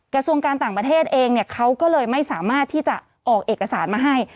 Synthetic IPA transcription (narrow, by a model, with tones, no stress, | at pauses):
kɾa˧su˧əŋkaː˧nt̪aː˨˩ŋpɾa˧t̪ʰeː˥˩t̪̚ʔeː˧ŋni˥˩ɐkʰa˦˥wkɔː˥˩lɤː˧jma˥˩jsaː˩˦maː˥˩t̪ʰːiː˥˩t͡ɕa˨˩ʔ | ʔɔː˨˩k̚ʔeː˨˩ka˧saː˩˦nmaː˧ɦa˥˩j